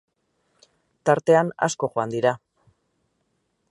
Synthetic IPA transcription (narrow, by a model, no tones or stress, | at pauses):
t̪aɾt̪e̞ana̰sko̞ʝoand̪iɾa